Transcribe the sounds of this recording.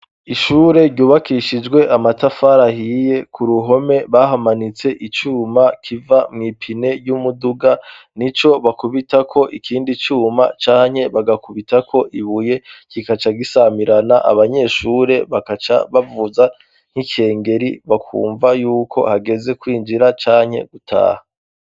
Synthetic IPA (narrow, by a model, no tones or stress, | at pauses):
iʃuːɾe̞ɾɟuːβakʰiʃid͡ʒɡwe̞ʔamatafaɾahije̞kʰuɾuɦo̞me̞βaɦamanit͡se̞ʔit͡ʃuːmakʰivamŋipʰine̞ɟumuduɡa | nit͡ʃo̞βakuβitakʰo̞ʔikʰiːndit͡ʃuːma̰t͡ʃaːɲ̥he̞βaɡakuβitakʰo̞ʔiβuje̞kikat͡ʃaɡisamiɾanaʔa̰βaɲe̞ːʃuːɾe̞βaat͡ʃaβavuza | ŋ̥hike̞ːŋɡe̞ɾiβakʰṵːɱvajuːkʰo̞̰haɡe̞ze̞kwiːnd͡ʒiɾat͡ʃaːɲhe̞̰ɡ̥utʰa̰ːha